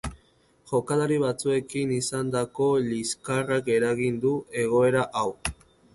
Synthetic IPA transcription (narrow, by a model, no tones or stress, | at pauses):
ʝo̞kalaɾiβ̞at͡sue̞kinisand̪ako̞liskarake̞ɾaɣind̪uʔe̞ɣ̞o̞e̞ɾaʔaw